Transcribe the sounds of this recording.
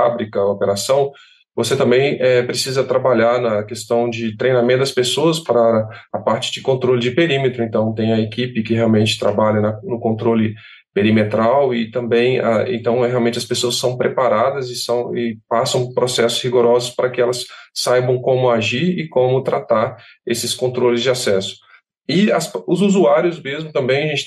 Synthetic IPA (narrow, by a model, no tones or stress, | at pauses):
fabɾikɐopeɾasɐ̃w̃ | voset̪ɐ̃mbẽj̃ɛpɾesizɐt̪ɾabaʎaɾnɐkest̪ɐ̃w̃d͡ʒɪt̪ɾejnamẽt̪ʊd̪ɐspesoɐspaɾɐːpaɾt͡ʃɪ̥d͡ʒɪkõnt̪ɾolɪd͡ʒɪpeɾĩmet̪ɾʊẽnt̪ɐ̃w̃t̪ẽj̃ɐekipɪkɪheawmẽnt͡ʃɪ̥t̪ɾa̰baʎɐnɐnʊkõnt̪ɾolɪ | peɾimet̪ɾawɪt̪ɐ̃mbẽj̃a̰ḛ̃nt̪ɐ̃w̃ɛɦeawmẽnt͡ʃɪɐspesoɐssɐ̃w̃pɾepaɾad̪ɐzɪsɐ̃w̃ɪpasɐ̃w̃pɾosɛsʊ̥shiɡoɾɔzʊspaɾɐkɪɛlɐsːajbɐ̃w̃kõmʊaʒiɾɪkõmʊt̪ɾʔat̪aɾ | esɪskõnt̪ɾolɪzd͡ʒɪasɛsʊ̥ | ɪɐsʊzuzuaɾjʊzmezmʊt̪ɐ̃mbẽj̃ɐʒẽnt͡ʃɪ